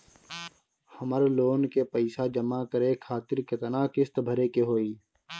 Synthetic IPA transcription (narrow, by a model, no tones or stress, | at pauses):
həməɾloːnkepəɪsad͡ʒəmaːkəɾeːkʰaːt̪ɪɾket̪ɐnaːkɪst̪əbʱəɾekeɦoːiː